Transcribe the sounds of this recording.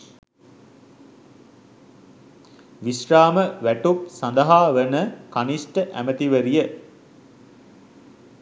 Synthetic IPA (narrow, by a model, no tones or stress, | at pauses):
ʋisraːməʋæʈup̚sand̪əɦaːʋənəkanisʈəʔæ̰mət̪iʋəɾijə